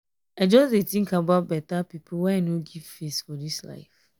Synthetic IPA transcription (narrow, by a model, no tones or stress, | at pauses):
aɪd͡ʒɔsdetĩŋkabaʊt̚bɛtapipʰlwɛ̃anoɡiv̥fisfɔdisla̰ɪf